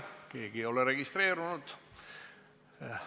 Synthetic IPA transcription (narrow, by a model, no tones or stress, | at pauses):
kekiolereɡist̪ɾeːɾunut̪